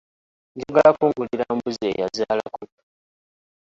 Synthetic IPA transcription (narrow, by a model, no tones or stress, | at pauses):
ɲɟiɡalakuŋɡuliɾaːmbuzeːjazaːla̰ko